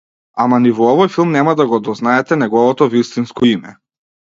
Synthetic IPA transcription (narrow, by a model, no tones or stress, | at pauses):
amanivɔɔvɔjfilˠmnɛmad̪aɡɔd̪ɔznaɛt̪ɛnɛɡɔvɔt̪ɔvist̪inskɔimɛ